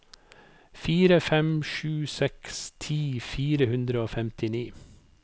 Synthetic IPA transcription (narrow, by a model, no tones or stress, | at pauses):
fiːɾəfɛmʃʉːsɛkst̪ʰiːfiːɾəhʉnd̪ɾəoːfɛmt̪ɪniː